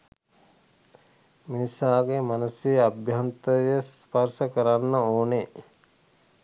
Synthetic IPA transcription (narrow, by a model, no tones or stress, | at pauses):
minisaːɡemanuseabjant̪əjəsparsəkəɾanːəoːne